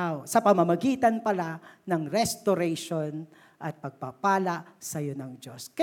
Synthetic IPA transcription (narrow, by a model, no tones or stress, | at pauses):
wsɐpɐmɐmɐɡiːt̪ɐnpɐlanɐŋɾɛst̪oɾɛjʃon | ʔɐt̪̚pɐɡ̚papaːlɐʔsɐjonɐŋd͡ʒoskɐ